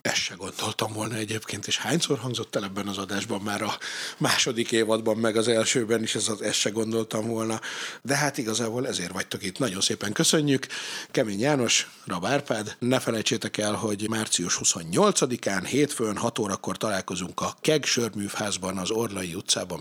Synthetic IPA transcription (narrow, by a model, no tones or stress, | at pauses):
ɛʃːɛɡo̞nd̪̥o̞lt̪ɒmvolnɒɛɟeːpkʰeːnt̪eːʃhaːɲsoːrɦɒŋɡzo̞t̪ːɛlɛbːɛnɒzɒd̪aːʒbɒmːaːɾɒmaːʃo̞d̪ikeːvɒd̪bɒmːɛɡɒzɛlʃøːbɛniʃɛzɒzɛʃːɛɡo̞nd̪olt̪ɒɱvo̞lnɒd̪ɛɦat̪iɡɒzaːboːlɛzeːrvɒct̪o̞kit̪nɒɟo̞nseːpɛŋkøsø̞ɲːykkɛmeːɲjaːno̞ʃ | rɒbaːrpaːd̪nɛfɛlɛjt͡ʃeːt̪ɛkɛlɦo̞ɟmaːrt̪sijuʃhuso̞ɲːo̞lt̪sɒd̪ikaːnheːt̪fønɦɒt̪oːɾɒkːo̞rt̪ɒlaːlko̞zuŋkɒkɛɡʃørmyːfhaːzbɒnɒzo̞rlɒjiut̪sa̰ːbɒm